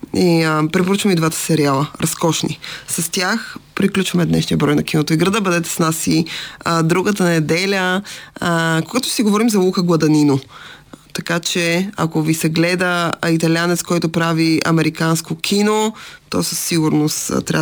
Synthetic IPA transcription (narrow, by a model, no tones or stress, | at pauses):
ipɾɛpoɾut͡ʃvɐmid̪vat̪ə̥sɛɾialˠəɾʔɐskɔʃnḭsɐst̪ʲjaxpɾiklʲut͡ʃvɐmɛd̪nɛ̰ʃnijəbɾɔjnɐk̟inot̪oiɡɾɐd̪əbəd̪ɛt̪ɛ̥snasid̪ɾuɡət̪ənɛd̪ɛlʲə | koɡat̪ʊsiɡovɔɾimzɐuxəɡlˠɐd̪ɐnino | t̪ɐkat͡ʃɛa̰kovisɛɡlɛd̪əit̪ɐlʲianɛt̪skɔjt̪opɾaviɐ̰mɛɾikanskokʰʲinot̪ɔsɐsːiɡʊɾnost̪t̪ɾʲa